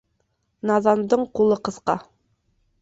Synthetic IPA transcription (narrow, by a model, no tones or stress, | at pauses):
nɑðɑnd̪ɤɴqulˠɤqɤ̆θqɑ